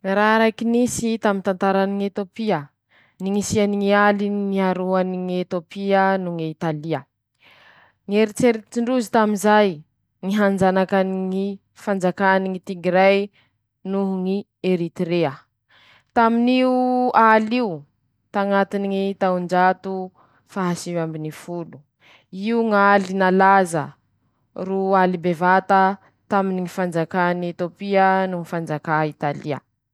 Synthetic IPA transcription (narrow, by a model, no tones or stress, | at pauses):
raɾajkinisit̪amint̪ant̪aɾaniŋet̪opiə | niŋisianiŋialinŋiaɾoaniŋet̪jopiənuŋit̪aliə | ŋeɾit͡seɾit͡siɳɖ͡ʐuzit̪aminzaj | ŋiɦand͡ʒanakaniŋi | fand͡zakaniŋit̪iɡiɾaj | nuɦuŋi | eɾit̪ɾeə | t̪aminiualiu | t̪aŋat̪iniŋit̪aund͡ʒat̪u | faɦasivambinifulu | iuŋalinalazə̰ | rualibevat̪ə | t̪aminiŋifand͡zakaniet̪opiənuŋifand͡zakait̪aliə̰